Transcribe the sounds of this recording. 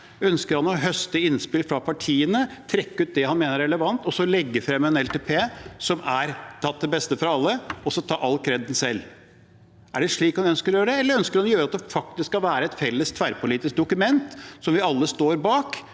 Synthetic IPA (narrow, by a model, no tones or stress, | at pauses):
œnskəɾhɑnɔɦœst̪əɪnspɪlfɾɑpʰɑʈʰiːənət̪ʰɾɛkːəʉːt̪̚d̪ɛhɑnmeːnəɾɛləʋɑnt̪ɔsɔlɛɡːəfɾɛmːəɛnɛlt̪ʰeːpʰeːsɔmʔæɾt̪ʰɑt̪̚d̪ɛbɛst̪əfɾɑɑlːəɔsɔt̪ʰɑːʔɑlkʰɾɛd̪n̩sɛlː | æɖɛʂɭiːkhɑnœnskəɾɔjøːɾəɖ̪ɛɛləɾœnskəɾhɑnɔjøːɾɑt̪d̪ɛfɑk̚t̪ɪskskːɑʋæːɾəɛt̪fɛlːəst̪ʰʋæɾpʊliːt̪ɪsk̚d̪ʊkʉmɛnt̪sɔmʋɪɑlːəst̪oːɾbɑːk